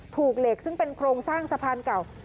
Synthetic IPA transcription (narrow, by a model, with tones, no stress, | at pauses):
t̪ʰuː˨˩k̚le˨˩k̚sɯ˥˩ŋpe˧nkʰɾoː˧ŋsaː˥˩ŋsa˧pʰaː˧nka˨˩w